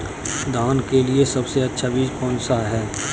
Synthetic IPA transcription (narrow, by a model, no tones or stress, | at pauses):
d̪ʱaːnkeliesɐbseɐtːʃʰabiːd͡ʒpɔ̃ːnsaɦɛː